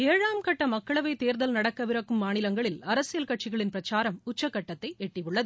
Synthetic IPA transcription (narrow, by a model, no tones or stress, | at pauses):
eːɻaːmkɐʈːɐmɐkːɐɭɐʋɐɪt̪eːɾðɐlnɐɽɐkːɐʋɪɾɐkːɯmːaːnɪlɐŋɡɐɭɪlɐɾɐsɪjɐlkɐʈ̚t͡ʃɪɣɐɭɪnpɪɾɐt͡ʃaːɾɐmʊt͡ʃːɐkːɐʈːɐt̪ːɐɪʔɛʈːɪjɯɭːɐðɯ